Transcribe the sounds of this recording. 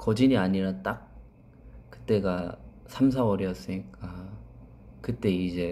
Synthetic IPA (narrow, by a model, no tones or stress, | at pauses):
kʌd͡ʑiɲiaɲiɾat͈ak̚ | kɯ̥t͈e̞ɡa | sʰamsʰawʌɾiʌs͈ɯɲik͈a | kɯt͈e̞id͡ʑe̞